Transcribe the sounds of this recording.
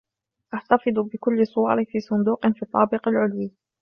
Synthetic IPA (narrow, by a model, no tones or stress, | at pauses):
ʔaħt̪afɨd̪ˤbɪkʊlːsˤʊwɑːɾˤɪfiːsˤʊnd̪uːqnfiːt̪ˤːɑːbɪqalʕʊlwiː